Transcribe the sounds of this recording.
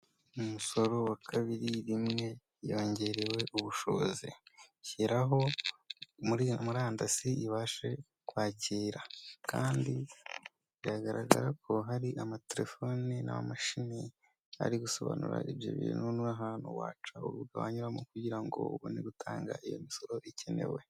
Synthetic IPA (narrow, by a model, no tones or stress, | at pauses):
umuso̞ɾo̞wakʰaβiɾiɾimŋe̞ | joːɲɟe̞ɾewe̞ʔuβuʃo̞̰βozḭciɾaɦo̞ | muɾimuɾaːndasiiβaːʃe̞ | kwaːciːɾakʰa̰ːndi | iɾaɡaɾaɡaɾakʰo̞ɦaɾiʔamateɾe̞fo̞nina̰amaʃini | a̰ɾiɡuso̞βa̰nṵɾa̰ʔeβjo̰βḭːnhunuaɦaːnhṵwaːt͡ʃauɾuɾɡawaɲuɾamukuɟiɾaŋɡo̞̰βoneɡutʰaːŋɡa̰ijo̞̰miso̞ɾo̞ʔicʰene̞̰we̞̰